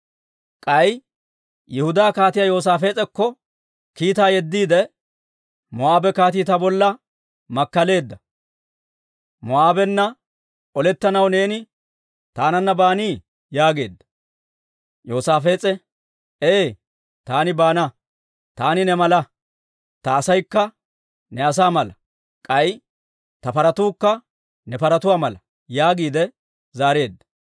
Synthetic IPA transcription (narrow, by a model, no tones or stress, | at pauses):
kʼɐj | jʔɪhʊd̪aːkaːt̪ɪjajo̞ːs̬aːfe̞ːt͡sʼɛkːɔ | kiːt̪aːjɛd̪ːiːd̪ɛ | mɔaːbɛkaːt̪iːt̪ɐbɔlːɐ | mɐkːɐle̞ːd̪ːɐ | mɔaːbɛnːɐ | ɔlɛt̪ːɐnɐwne̞ːnɪ | t̪aːnɐnːɐbaːniː | jaːɡe̞̰ːd̪ːɐ̥ | joːsaːfe̞ːt͡sʼɛ | eː | t̪aːnɪbaːnɐ | t̪aːnɪnɛmɐlɐ | t̪ɐːsɐjkːɐ | nɛɐs̬aːmɐlɐ | kʼɐj | t̪ɐpɐɾɐt̪uːkːɐ | nɛpɐɾɐt̪ʊwaːmɐlɐ | jaːɡiːd̪ɛ | zaːɾe̞ːd̪ːɐ̥